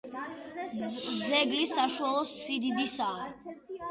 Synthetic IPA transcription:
zɛɡlisaʃualˠɔsːid̪id̪isaː

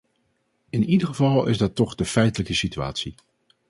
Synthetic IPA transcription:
ɪnidəχəvɑlˠɪ̰zdɑtːɔχd̥əfɛjtələkəsitya̰ːtsi

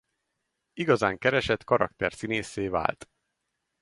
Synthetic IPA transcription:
iɡɒzaːŋkɛɾɛʃɛt̪kɒɾɒ̰kt̪ɛrsineːseːva̰ːlt̪

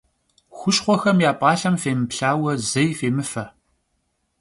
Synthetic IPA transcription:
xʷʊʃχʷɔxɐmjaːpʼɑːɬɐmfeːmɨpɬaːwɐzɐjfeːmɨfɐ

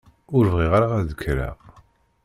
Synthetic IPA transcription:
ʊɾvʁiʁaɾaʁæðəkʰːɾæ̰ʁ

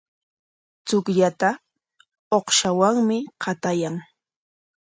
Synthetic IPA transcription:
t͡sʊkʎat̪a | oχʃawaŋmɪqʰɑt̪ajaŋ

